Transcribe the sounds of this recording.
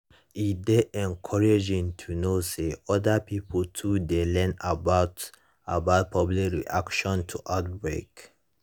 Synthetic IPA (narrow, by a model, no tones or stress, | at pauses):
ideʔɛ̃nkʰɔɹed͡ʒĩŋtʰunoseɔdapipʰoltʰudelɛ̃nabaʊt | abaʊt̚pʰɔblikɹḭʔakʃɔ̃ntʰuʔat̚bɹḛk